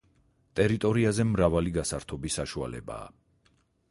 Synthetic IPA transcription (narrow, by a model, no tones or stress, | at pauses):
t̪ʼɛɾit̪ʼɔɾiazɛmɾavaliɡasaɾt̪ʰɔbisːaʃua̰lɛ̰ba̰ː